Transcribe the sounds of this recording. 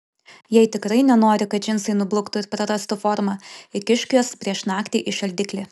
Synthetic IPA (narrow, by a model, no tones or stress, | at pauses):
jɛɪt̪ʲɪkɾɐɪnʲɛnoːɾʲɪkɐt̪d͡ʒʲɪnsɐɪnʊblˠʊkt̪ʊɪɾpɾɐɾɐst̪ʊfɔɾmɐɪkʲɪʃʲkʲuːspʲɾʲiɛʃnɑːkt̪ʲiːʔɪʃɐlʲd̪ʲɪkʲlʲɪ